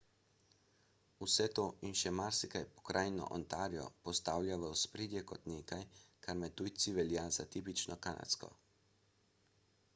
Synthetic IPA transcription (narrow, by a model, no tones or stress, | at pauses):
usɛt̪oːinʃɛmaɾsikajpɔ̥kɾʔaːjnɔ̰ʔɔnt̪aːɾijɔ̰pɔst̪aːwlʲjaʋəwspɾeːd̪jɛkɔt̪neːkajkaɾmɛt̪ujt̪siʋɛljazat̪iːp̬it͡ʃnɔkana̰t̪skɔ̰